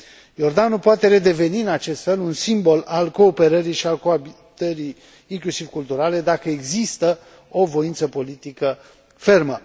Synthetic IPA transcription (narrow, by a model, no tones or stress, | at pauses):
jo̞rd̪anupoat̪e̞ɾe̞d̪e̞ve̞niɨnat͡ʃe̞st̪fe̞lunsimbo̞lalko̞ːpe̞ɾəɾiʃialko̞abi | t̪əɾijː | ŋklusiv̥kult̪uɾale̞d̪akəeɡzist̪ə | o̞vo̞int̪səpo̞lit̪ikə | fe̞rmə